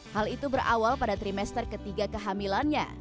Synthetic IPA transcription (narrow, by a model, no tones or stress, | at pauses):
halit̪ubəɾa̰walpadat̪ɾimɛst̪ərkət̪iɡakəɦamilanɲa̰